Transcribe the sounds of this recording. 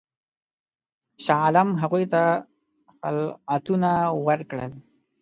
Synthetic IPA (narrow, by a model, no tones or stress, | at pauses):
ʃalamɦaɣujt̪a | xalat̪unawəɾkɽə̰l